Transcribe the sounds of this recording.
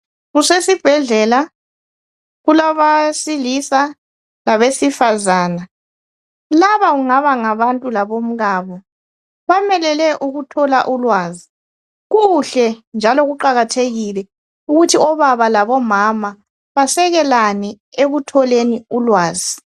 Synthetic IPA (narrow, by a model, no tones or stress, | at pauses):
ɣusesib̥ʱɛɮɛla | ɣulaβasilisa | laβesifazaːna | laβauŋaβaŋaβantʼulaβom̩ɣaːβɔ | βamɛlɛlɛʔuɣutʰɔla̰ʔulwaːzi | ɣuɬɛnd͡ʒʱalɔɣuǃaɣatʰeɣilɛ | uɣutʰiɔβaβalaβɔmama | βasɛɣɛlanɛ | eɣutʰɔleniulwaːzi